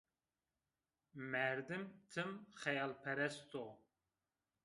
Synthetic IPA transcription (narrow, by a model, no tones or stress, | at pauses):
mɛɾd̪ɨmt̪ʰɨmxɛjɑːlpʰɛɾɛst̪o